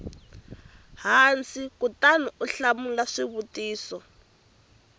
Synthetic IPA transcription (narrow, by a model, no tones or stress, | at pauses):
ɦant͡sikutanuʔuɬamulaʂiβutiːsɔ